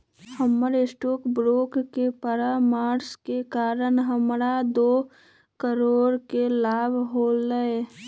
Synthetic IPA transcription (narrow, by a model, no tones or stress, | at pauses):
həməɾɪsʈoːkbɾoːkkepəɾamaːɾskekaːɾəɳɦəmɾad̪oː | kəɾoːɾkelaːbʱɦoːləe